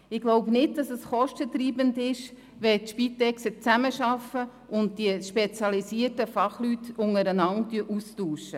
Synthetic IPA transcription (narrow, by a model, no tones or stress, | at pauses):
ɪɡ̥loʊpnɪt̚d̥ɑsəsχɔʃtətɾiːbəndɪʃ | ʋɛtʃpitɛksət͡sæməʃɑfə | ʊnt̚diʃpet͡sjɑlisiətəfɑχlytʊŋəɾənɑntyəʔustuːʃə